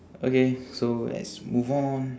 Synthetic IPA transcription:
okesola̰smuvmɔ̃n

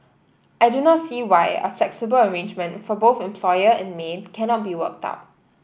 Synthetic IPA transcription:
ʔajdunɔtsiːwaɪə̰flɛksibələɹẽnd͡ʒmə̃ntfɔboθɛ̃mpʰlɔjəɛ̰̃nmenkʰɛnɔt̚biwə̰k̚ta̰ʊt̚

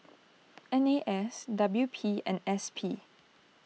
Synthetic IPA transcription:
ɛ̃neʔɛsdʌbljupʰiɛ̰̃nɛspʰi

